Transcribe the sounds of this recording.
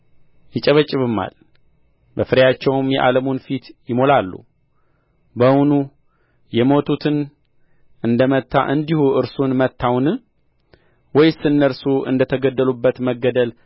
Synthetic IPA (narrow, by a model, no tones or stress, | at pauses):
jɪt͡ʃʼəβət͡ʃʼːɪβɨmːa̰l | bəfɨɾjat͡ʃːɛwmjɛ̰ʔa̰ləmonfit̪jɪmo̞lalːṵ | bəwnu | jɛmo̞t̪ʰut̪ʰɨn | ʔɨnd̪əmət̪ʰːa̰ʔɨnd̪ihuʔɨɾsunmət̪ʰːawnɨ | wɔjsɨnːəɾsuʔɨ̰nd̪ət̪ʰəɡəd̪ːəlubːət̪məɡːəd̪əl